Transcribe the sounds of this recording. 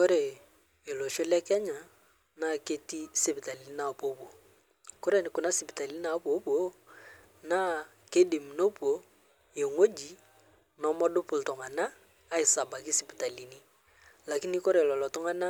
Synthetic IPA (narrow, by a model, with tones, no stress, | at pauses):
ko˦ɾe˨ | e˨lo˨ʃo˦lɛ˦kɛ˦ɲa˨ | na˦˨ke˦ti˦sɪ˦pi˨ta˨li˨ni˦na˨po˨˦bo˨ | ko˦ɾe˨n˨kʊ˨na˦sɪ˨pi˨ta˨li˦n˦a˨˦po˨˦bo˦ | na˦ | ke˦di˨mi˨no˦po˨ | je˨ŋo˦d͡ʒi˨ | nɔ˨˦mɔ˦dʊ˦pʊ˨ltʊ˨ŋa˨naː˦ | ɪ˨sa˨ba˨kɪ˦sɪ˨pi˨ta˨li˨ni˦ | la˨ki˦ni˦ko˦ɾe˨lɔ˨lɔ˨tʊ˦ŋa˦na˦